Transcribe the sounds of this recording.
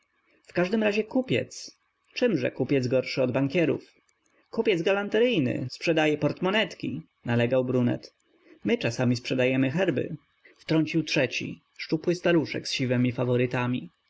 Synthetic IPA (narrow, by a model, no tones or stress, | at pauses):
fkaʐd̪ɘmɾaʑɛkupʲjɛ̰t̪s | t͡ʂɘmʐɛ̰kupʲjɛd̪zɡɔɾʂɘɔd̪baŋkʲɛɾṵf | kupʲjɛd̪zɡalant̪ɛɾɘjnɘ̰spʂɛd̪ajɛpɔɾt̪mɔnɛt̪kʲi | nalɛɡawbɾunɛ̰t̪ | mɘt͡ʂasamʲispʂɛd̪ajɛmɘxɛɾbɘ̰ | ft̪ɾɔɲʲt͡ɕiwtʂɛt͡ɕḭ | ʂt͡ʂupwɘst̪aɾuʂɛ̰ksɕivɛmʲifavɔɾɘt̪amʲi